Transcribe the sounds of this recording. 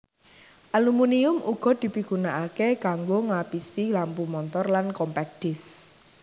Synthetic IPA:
ʔalumuniʊmṵɡ̥ɔ̤d̪̥i̤piɡ̥unaʔakekaŋɡoŋlapisilampumɔnt̪ɔrlankɔmpɛk̚ɖ̪̥ɪs

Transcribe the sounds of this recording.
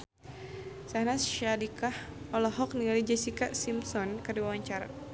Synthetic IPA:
sahnasʃadikah | ɔlɔɦɔk̚niŋalid͡ʒɛsikasimsɔnkəduawaɲt͡ʃaɾa̰

